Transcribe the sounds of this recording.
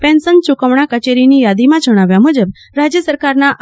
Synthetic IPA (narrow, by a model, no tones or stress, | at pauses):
pɛ̃nsənt͡ʃukəʋɳ̃akət͡ʃeɾinijad̪imãd͡ʒəɽ̃aʋjamud͡ʒəb | ɾad͡ʒjəsəɾkaɾnaʔ